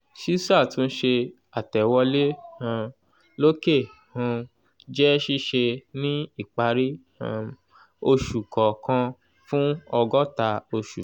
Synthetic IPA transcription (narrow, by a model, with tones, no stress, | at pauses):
ʃi˦sa˦˨tũ˦n̩˦ʃe˧ | a˨tɛ˨wɔ˧le˦ã˧ | lo˦ke˦˨hã˧ | d͡ʒɛ˦ʃi˦ʃe˧nĩ˦i˦˨k͡pa˧ɾĩ˦˧ | o˧ʃu˨kɔ˨kã˧ | fũ˦ɔ˧ɡɔ˦ta˧o˧ʃu˨